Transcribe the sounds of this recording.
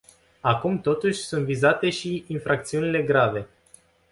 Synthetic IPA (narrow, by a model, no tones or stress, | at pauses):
akumt̪o̞t̪uʃʲsunt̪vizat̪e̞ʃiːnfɾak̚t̪siunile̞ɡɾave̞